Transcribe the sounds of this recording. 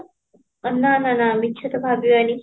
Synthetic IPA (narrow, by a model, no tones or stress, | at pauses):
ɐnːaːnanaːmikːt͡ʃʰɐt̪ɐbʱaːbjiani